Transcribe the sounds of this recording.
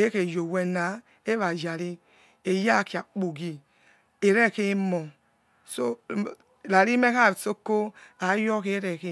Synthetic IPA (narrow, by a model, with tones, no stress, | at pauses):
e˦ke˨jo˨wɛ˨na˨˦ | e˦βa˨d͡ʒa˨ɾi˦ | e˨ja˦˨ki˨a˨k͡po˨ɡi˨ | e˨ɾe˦˨ke˦mɔ˨ | so˦˨ | la˨ɾi˦me˦ka˦˨ɾso˦ko˦a˨˦jɔ˦ke˦ɾe˨ke˦